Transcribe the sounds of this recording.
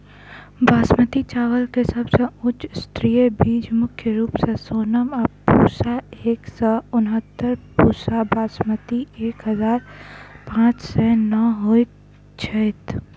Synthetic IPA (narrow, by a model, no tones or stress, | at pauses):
bʱaːsmət̪it͡ʃaːʋəlkesɐbsə̃ʊt͡ʃst̪ɾijebiːd͡ʒmʊkʰjəɾuːpsesoːnəmɔpṵːsaeːksɔʊnɦət̪ːəɾpuːsabʱaːsmət̪ieːkɦəzaːɾpãːt͡ʃsɛnəɦoit̪ | t͡ʃʰəɪt̪